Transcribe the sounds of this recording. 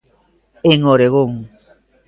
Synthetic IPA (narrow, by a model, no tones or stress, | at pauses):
eŋoɾeɣoŋ